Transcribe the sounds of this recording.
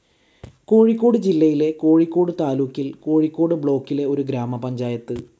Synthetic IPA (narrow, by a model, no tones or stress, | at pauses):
ko̞ːɻikʲːo̞ːɽɨd͡ʑilːɐjile̞ko̞ːɻikʲːo̞ːɽɨt̪aːluːkʲːilko̞ːɻikʲːo̞ːɽɨbɭo̞ːkːile̞o̞ɾuɡɾaːmɐpɐɲd͡ʑaːjɐt̪ːɨ